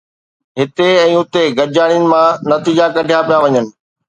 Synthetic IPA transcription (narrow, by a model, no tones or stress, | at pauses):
ɦɪt̪eɛ̃ːʊt̪eɡɐd͡ʑaːɽ̃ijənɪ̆mãnɐt̪iːd͡ʑakɐɖʱijapijaʋɐɲənɪ̆